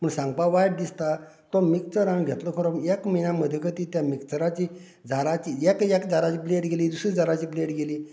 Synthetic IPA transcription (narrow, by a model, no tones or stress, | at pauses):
pəɳsãŋɡ̚paʋajʈ̚d̪ist̪a | t̪ɔmikt͡səɾãnɡʱet̪ləkʰəɾɔekminaməd̪ʱːjekʰət̪it̪jamikt͡səɾat͡ɕi | d͡zʱaɾat͡ɕiekekd͡zaɾat͡ɕiːbleʈɡeliːd̪usid͡zaɾat͡ɕiːbleʈɡeliː